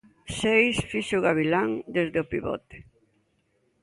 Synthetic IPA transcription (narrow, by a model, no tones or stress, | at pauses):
sejsfiʃoɣaβ̞ilaŋd̪ezðeopiβɔ̰t̪e̥